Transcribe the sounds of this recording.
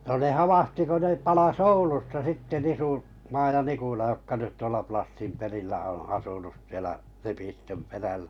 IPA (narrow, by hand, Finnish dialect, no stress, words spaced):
no ne hɑʋɑhti ko ne pɑlɑs oulustɑ sitːe nisu mɑː jɑ nikulɑ jokːɑ nyt tuolɑ plɑsːim perilːæ õː ɑsunus sielæ lepistøm peræl̥æ̥